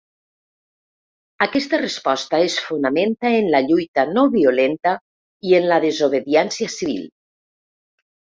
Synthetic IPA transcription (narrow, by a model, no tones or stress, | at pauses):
akɛst̪arespɔst̪aesfunament̪aenlaʎujt̪anoβiolent̪a | ienlaðezoβ̞eðiɛnsiasiβḭl